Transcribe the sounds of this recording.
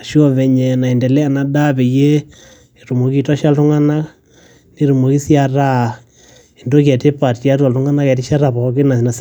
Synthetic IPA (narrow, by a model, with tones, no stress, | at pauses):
a˨ʃjo˦βɛ˨ɲe˨na˨e˨nde˨lɛ˦a˨na˨da˦βe˨je˦˨ | ɾu˨mo˨ki˦ta˦ʃja˦ltu˦ŋa˦na˦ | ne˦ɾu˨mo˨ki˦sja˦ɾa˦ | e˨ndo˦ka˨te˦pa˨tja˦t̬wa˨ltu˦ŋa˦na˦kɛ˨t̬i˦ʃa˦ɾa˨po˨˦ke˦na˨i˨na˨s